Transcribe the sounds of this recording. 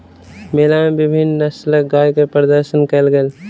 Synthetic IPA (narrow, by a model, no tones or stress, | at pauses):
meːlamebɪbʱɪnːəsləɡaːjkepɾəd̪əɾʃənkəlɡel